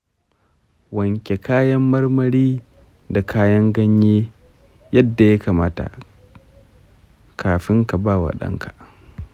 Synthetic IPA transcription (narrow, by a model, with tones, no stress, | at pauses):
wɐ˨ŋkʲe˨kaː˦jɐ˦mːɐ˦rmɐ˦ɾiː˦ | da˨kʰaː˦jɐ˦ŋɡɐ˦ɲjeː˦ | jɐ˦dːa˨ja˦kaː˨maː˦ta̰˨ | kʰaː˨ɸɪ˦ŋka˨baː˦˨wa̰˨ɗɐ̰˦ŋkʰḁ˨ʔ